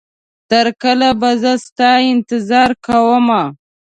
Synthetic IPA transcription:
t̪əɾkəlabazəst̪ɑɪnt̪ɪzɑɾkawəma

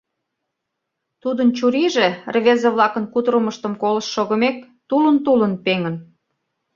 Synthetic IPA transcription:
t̪ud̪ənt͡ɕuɾiʒerβezeβlɑkənkut̪ɾəməʃt̪ə̆mkoləʃːoɣə̆mek̚ | t̪ulənt̪ulənpeŋə̆n

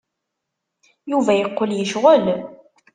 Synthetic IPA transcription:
juvæjəqːəljəʃʁəl

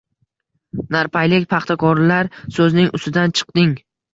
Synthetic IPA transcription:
naɾpʰajlɪkʲpʰɑχt̪ʰakʰɒɾlaɾsɵznɪŋʔʊst̪ɪd̪ant͡ʃʰɨ̥qd̪ɪŋ

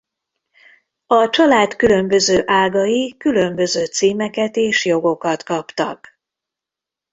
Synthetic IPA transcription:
ɒt͡ʃɒlaːt̪kylø̞mbø̞zøːʔaːɡɒjikylø̞mbø̞zøːt̪siːmɛkɛt̪eːʃjo̞ɡo̞kɒt̪kɒpt̪ɒ̰k

